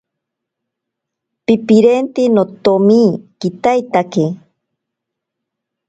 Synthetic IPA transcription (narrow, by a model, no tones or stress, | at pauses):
pipiɾent̪inot̪omiːkit̪ajt̪ake